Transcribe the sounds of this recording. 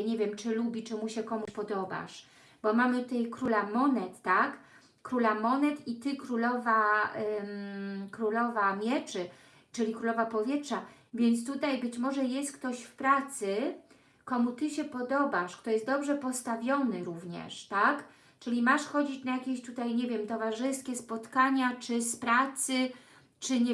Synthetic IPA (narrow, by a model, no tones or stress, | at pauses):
ɲɛvʲjɛmt͡ʂɘlubʲit͡ʂɘmuɕɛkɔmuɕpɔd̪ɔba̰ʂ | bɔmamɘt̪ut̪ajkɾulamɔnɛt̪ːak | kːɾulamɔnɛt̪it̪ɘkɾulɔva | kɾulɔvamʲjɛt͡ʂɘ | t͡ʂɘlʲikɾulɔvapɔvʲjɛtʂavʲjɛnt̪st̪ut̪ajbɘt͡ɕmɔʐɛjɛst̪kt̪ɔɕfpɾat̪sɘ | kɔmut̪ɘɕɛpɔd̪ɔbaʂkt̪ɔjɛst̪d̪ɔbʐɛpɔst̪avʲjɔnɘɾuvɲɛ̰ʂt̪ak | t͡ʂɘlʲimaʂxɔd͡ʑit͡ɕnajakʲeɕt̪ut̪ajɲɛvʲjɛmt̪ɔvaʐɘskʲɛspɔt̪kaɲat͡ʂɘspɾat̪sɘ | t͡ʂɘɲɛ